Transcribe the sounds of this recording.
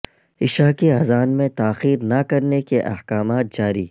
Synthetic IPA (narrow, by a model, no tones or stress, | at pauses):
ɪʃaːkeaːzaːnmẽt̪aːxiːɾnɐkɐɾnekeʔɐ̰hkaːmaːt̪̚d͡ʒaːɾḭː